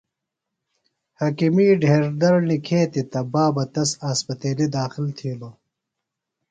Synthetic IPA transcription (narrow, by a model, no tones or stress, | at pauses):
hɐkimiːɖʱeːɾd̪ɐɾnikʰeːt̪it̪ɐbaːbɐt̪ɐsaːspɐt̪eːlid̪aːxilt̪ʰiːlo